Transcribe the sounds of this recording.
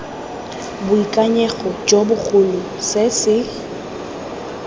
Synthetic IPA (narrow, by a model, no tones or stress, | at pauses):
bʊikʼaɲeɣɔd͡ʒobʊk͡xʰʊlʊ | sɪsɪ